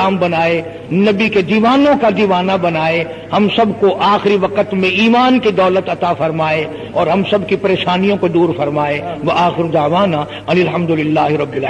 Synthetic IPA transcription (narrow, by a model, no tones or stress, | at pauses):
aːmbɐnaːe | nɐbiked̪iːʋaːnõkad̪iːʋaːnabɐnaːe | hɐmsɐbkoʔaːxɪɾiʋɐqət̪mẽiːmaːnkid̪ɔːlət̪ɐt̪afɐɾmaːe | ɔːɾɦɐmsɐbkipɐɾeːʃaːnijõkod̪uːɾfɐɾmaːeʋɐʔaːxɪɾod̪aːʋaːna | ɐnɪlɦɐmd̪ʊlɪlːaːɦɾɐbːil